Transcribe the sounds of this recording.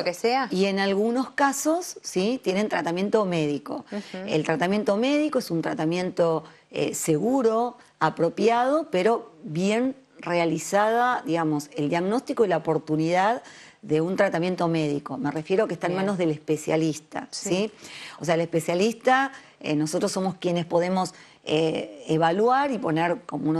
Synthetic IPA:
okeseaie̞nalɣuno̞skasosːit̪jene̞nt̪ɾat̪amje̞nt̪o̞me̞ðiko̞ḛlt̪ɾat̪amje̞nt̪o̞me̞ðiko̞esunt̪ɾat̪amjẽ̞nt̪o̞ | ḛse̞ɣuɾo̞ | apɾo̞pjað̞o̞pe̞ɾo̞βje̞n | realisaðaðiɣamo̞se̞ld̪jaɣno̞st̪ikoilaopo̞ɾt̪uniðað | ðe̞unt̪ɾat̪amje̞nt̪o̞me̞ðiko̞me̞re̞fje̞ɾoakest̪aenmãno̞zðe̞lespe̞sja̰list̪a̰sioseaelespe̞sjalist̪a | ḛno̞sot̪ɾosːo̞mo̞skjene̞spo̞ðe̞mo̞s | eeβalwaɾipo̞neɾkomoun

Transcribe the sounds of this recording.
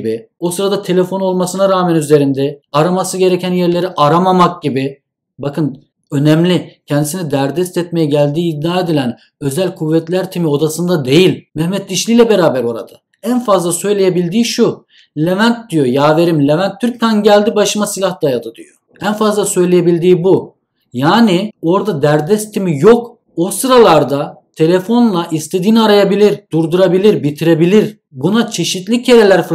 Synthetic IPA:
bio̞sɯɾad̪at̪ʰe̞lʲe̞fo̞no̞lˠmasɯnaɾaːmænyze̞ɾind̪ɛaɾamasɯɟe̞ɾɛcænjæɾlʲe̞ɾiʔaɾamamak̚ɟibi | bakʰɯn | ø̞nɛmlʲicʰɛnd̪isinid̪æɾd̪ɛst̪ɛt̪me̞jɛɟælʲd̪iːd̪ːiaːed̪ilʲæn | ø̞zælʲkʰuvːɛt̪lʲæɾt̪ʰimio̞d̪asɯnd̪ad̪ejilʲmɛhmɛt̪̚d̪iʃlʲiːlʲɛbe̞ɾaːbæɾo̞ɾa̰d̪a | ænfazlˠasø̞jlʲe̞jebilʲd̪iːʃu | lʲe̞vænt̪̚d̪ijo̞jaːve̞ɾimlʲevænt̪ʰːyɾc̚t̪ʰænɟælʲd̪ibaʃɯmasilʲahd̪ajad̪ɯd̪ijo | ænfazlˠasø̞jlʲejebilʲd̪iːbu | jaːnio̞ɾd̪ad̪æɾd̪ɛst̪ʰimijo̞k | osɯɾalˠaɾd̪at̪ʰe̞lʲefo̞nlˠaʔist̪ʰed̪iːniaɾajabilʲiɾd̪uɾd̪uɾabilʲiɾbit̪ʰiɾe̞bilʲiɾ | bunat͡ʃʰe̞ʃit̪lʲicʰe̞ɾelʲæɾf

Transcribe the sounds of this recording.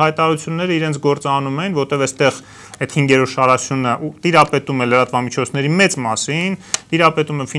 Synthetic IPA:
ɑjt̪ɑɑɾut͡sʰjunːɛɾəiɾɛnt͡sʰɡɔɾt͡sɑnumɛnvɔɾt̪ɛvɛst̪ɛʁ | ɛt̪hiŋɡɛɾɔɾʃɑɾɑsjunəʔut̪iɾɑpɛt̪umɛləɾɑt̪vɑmit͡ʃʰɔt͡sʰn̪ɛɾimɛt͡smɑsint̪iɾɑpɛt̪umɛfi

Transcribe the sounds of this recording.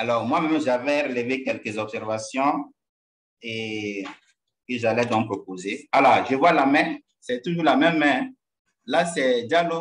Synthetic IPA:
alɔʁmwamɛ̃mʒavɛɾelevekɛlkəzɔbsɛɾvasjɔ̃ | e | kəʒalɛd̪ɔ̃k̚pɾopozealɔʒəvwalamɛ̃ | sɛt̪uʒulamɛ̃mːɛ̃ | lasɛdalo

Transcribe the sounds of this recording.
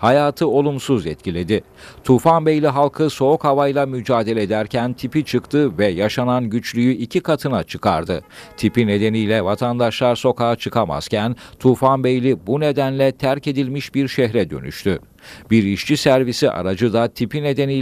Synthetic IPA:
hajaːt̪ʰɯo̞lˠumsuzɛt̪cʰilʲe̞d̪ɪ | t̪ʰufanbejlʲiɦalˠkʰɯso̞ːkhavajlˠamyd͡ʒaːd̪e̞lʲɛd̪æɾcʰænt̪ʰipit͡ʃʰɯkt̪ʰɯvɛjaʃananɟyt͡ʃlʲyjyicʰikʰat̪ʰɯnat͡ʃʰɯkʰa̰ɾd̪ɯt̪ʰipine̞d̪e̞nijlʲɛvat̪ʰand̪aʃlˠaɾso̞kʰaːat͡ʃʰɯkʰama̰z̥cʰænt̪ʰufanbejlʲibune̞d̪ænlʲɛt̪ʰæɾce̞d̪ilʲmiʃbiɾʃɛɦɾɛd̪ø̞̰ny̰ʃt̪ʰy | biɾiʃt͡ʃʰisæɾvisiʔa̰ɾad͡ʒɯd̪at̪ʰipine̞d̪e̞nij

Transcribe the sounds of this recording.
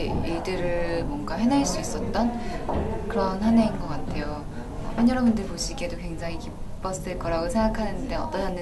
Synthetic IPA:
iɭdɯɾɯmwʌŋɡawe̞naeɭs͈uis͈ʌt̚t͈ʌn | kɯɾʌnɦaneinɡʌk͈atʰe̞jo | ʌ̰ɸanjʌɾʌbundɯɭpoɕʰiɡe̞dokwe̞ŋd͡ʑaŋikip | p͈ʌsʰɯɭk͈ʌɾaɡosʰe̞ŋɡakʰanɯnde̞ʌ̰t͈ʌnanːɯ

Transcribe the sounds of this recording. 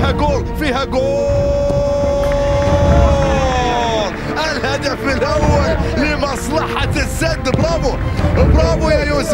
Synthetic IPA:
æɡulfihæɡu | ʔɪlhad̪afɪlʔawːalːɪmɑsˤlɑħɑt̪sːad̪bɾˤɑbubɾˤɑbujajus

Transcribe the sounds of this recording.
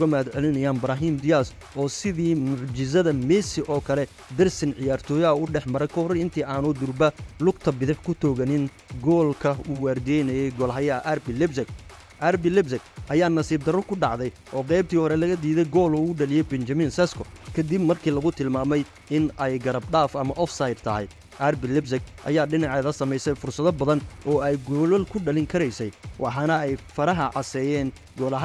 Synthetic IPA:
ʊɣɐmɐd̪ʕɛlɪnɐjaːnbɾaːɦiːmd̪ɪjas | ʔɔːsɪðiːmʊʕd͡ʒɪsɐðɐmɛsɪʔɔːkʰɐlɛ | d̪ɐrsɪnʕɪjaːrt̪ʰɔːjɐɐʊɖɛħmɐɾɛjkʰɐhɔɾɪnt̪ʰiːʔaːnud̪ʊrbɐlʊɡt̪ʰɐbɪðɪħkʰʊt̪ʰɔːɣɐnɪn | ɡɔːlkʰɐuːwaːrd̪ɛjnɐjɛjɡɔːlɦɐjɐʔɐrbɪlɪbsɪk | ʔɐɾbɪlɪbsɪkʔɐjaːnɐsiːb̚d̪ɐɾɔrkʰʊɖɑʕd̪ɛj | ʔɔːqɛjbt̪ʰiːhɔɾɛlɐɣɐd̪iːðɛjɡɔːlʊʊɖɐlɪjɛjbɛnt͡ʃɐmɪnsɛskʰɔkʰɐd̪ɪbmɐrkʰiːlɐɣʊt̪ʰɪlmaːmɛj | ɪnɛjɡɐɾɐbɖaːfɐmɐʔɔfsɐjd̪̚t̪ʰɐɦɛ̰j | ʔɐrbɪlɪbsɪkʔɐ̰jaːɖɪnɑʕɛːðɐsɐmɛjsɛjfʊrsɐðɔbɐðɐnɔːɛjɡɔːlɔlkʰʊɖɐlɪŋkʰɐɾɛjsɛjwʔɑ̰ħɑːnɐɛjfɐɾɐɦɐʕɑsɛːjɛːŋ | ɡɔːlɐɦ

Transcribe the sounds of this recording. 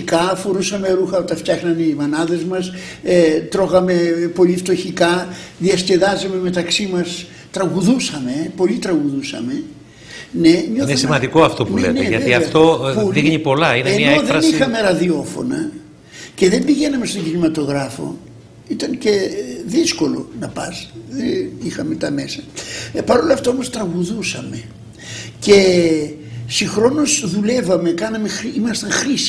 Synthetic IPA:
ikɐfoɾusɐme̞ɾuxɐot̪ɐft̪çɐxnɐnimɐnɐðe̞zmɐset̪ɾo̞ɣɐme̞po̞lift̪o̞çikɐðiɐsce̞ðɐzɐme̞me̞t̪ɐksimɐs | t̪ɾɐɣuðusɐme̞po̞lit̪ɾɐɣuðusɐ̰me̞ | ne̞ɲoinesimɐnd̪ikoɐft̪opnuleḛneʝɐt̪iɐft̪opuðiɣnipo̞lɐineemoðeɐnixɐme̞ɾɐðio̞fo̞̰nɐ̰ | ce̞ðe̞mbiʝe̞nɐme̞st̪o̞ɟinimɐt̪o̞ɣɾɐfo̞̰ | it̪ɐnce̞ðisko̞lo̞̰nɐpɐsðenixɐme̞t̪ɐme̞sɐpɐɾo̞lɐft̪ɐo̞mo̞st̪ɾɐɣuðusɐme̞ | ce̞ | sixɾo̞no̞sðule̞vɐme̞kɐnɐme̞ximɐst̪ɐŋxɾis

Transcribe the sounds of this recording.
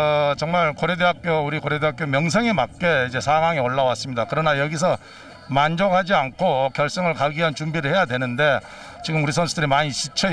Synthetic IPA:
t͡ɕʌŋmaɭkoɾedeɦak̚k͈jouɾikoɾedeɦak͈jomjʌŋs̬ʰeŋemak̚k͈e̞id͡ʑe̞sʰaɡwaŋioɭːawas͈ɯmɲidakɯɾʌnajʌɡis̬ʰʌ | mand͡ʑokhad͡ʑiankʰokjʌɭs͈ɯŋɯɭkaɡiɦant͡ɕumbiɾɯɭhe̞jadwe̞nɯnde̞ | t͡ɕiɡɯmuɾisʰʌnsʰudɯɾimaɲiɕʰit͡ɕʰʌ

